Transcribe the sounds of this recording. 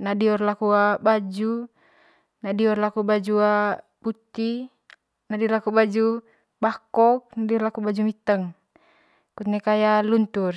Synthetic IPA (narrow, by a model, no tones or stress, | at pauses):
nadiɔrlakuabad͡ʒu | nadiɔrlakubad͡ʒua | put̪i | nadiɔrlakubad͡ʒu | bakɔk̚nadiɔrlakubad͡ʒumit̪əŋ | kut̪̚nekajalunt̪ur